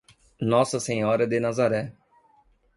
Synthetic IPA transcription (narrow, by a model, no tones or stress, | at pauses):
nɔːsɐseɲɔːɾɐd̪enazaɾɛː